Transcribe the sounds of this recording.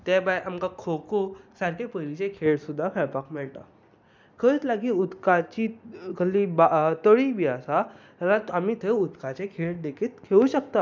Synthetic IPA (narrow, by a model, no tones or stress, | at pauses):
t̪ɛbajʔamkakʰokosaɾkʰepəɾit͡ɕekʰeɭsud̪ʱːakʰɛɭpakmɛɭʈ̪a̰ | kʰəit͡slaɡiːud̪kat͡ɕikʰəlːibat̪əɭibʱiasa | t̪alat̪amit̪ʰeud̪kat͡ɕekʰeɭd̪ekʰiːt̪kʰeuɕəkt̪a